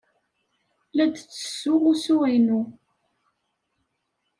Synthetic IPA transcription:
læd̪t͡sːə̥sːʊʁusuʁinu

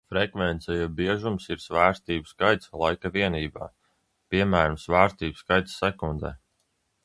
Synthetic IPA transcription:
fɾɛkvɛnt̪sɛjɛbiɛʒumsiɾsvæːɾst̪iːbskajt̪slˠajkaviɛniːba̰ː | pʲiɛmæːɾamsvæːɾst̪iːbskajt̪ssɛkund̪ɛ̰ː

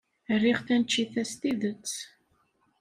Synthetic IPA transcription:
ərːiʁθænt͡ʃːiθæst̪iðət͡sː

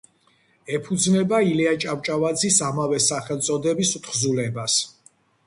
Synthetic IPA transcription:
ɛpʰud̪znɛbailiat͡ʃʼawt͡ʃʼavad̪zisamavɛsaχɛlˠt̪sʼɔd̪ɛbisut̪χzulɛbas

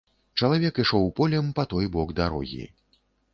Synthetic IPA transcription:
t͡ʂɐlˠavʲɛkiʂɔwpɔlʲɛmpɐt̪ɔjbɔɡd̪aɾɔ̰ɣʲḭ

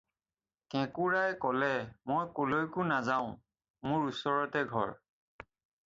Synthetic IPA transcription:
kɛ̃kuɹajkɔlɛmojkolojkʊnazaʊ̃ | mʊɹusɔɹɔtɛɡʱɔ̰ɹ

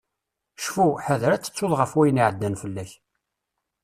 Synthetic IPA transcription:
ʃfuħəðɾæt͡sːə̥t͡sːʊðʁəfwæjniʕəd̪ːænfəlːæç

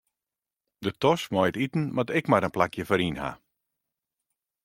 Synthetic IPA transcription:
dətɔsmɔjətitn̩ʋɔtɪkmaɾənplakjəfɔɾinha̰

